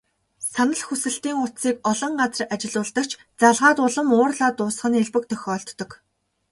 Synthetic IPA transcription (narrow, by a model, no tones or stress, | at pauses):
sanə̆ɮxusɘ̆ɬt̪iːŋʊt̪siːkɔɮɞ̆ɴɢat͡sə̆rat͡ɕɪ̆ɮʊːɮt̪ə̆k̚t͡ɕʰ | t͡saɮʁaːt̪ʊɮə̆mʊːrɮaːt̪ʊːs̆χə̆neɮpɘ̆k̚t̪ʰœxʲɔːɬt̪ːɞ̆k